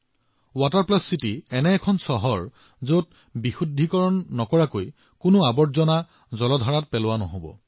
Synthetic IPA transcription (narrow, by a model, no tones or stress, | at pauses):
wataɹplɔsitiɛnɛːkʰɔnsɔɦɔɹ | zot̚ | bixudʱːikɔɹɔnːɔkɔɹakoj | kʊnʊabɔzɔna | zɔlɔdʱaɹat̚pɛlʊwanɔ̰ɦobɔ̰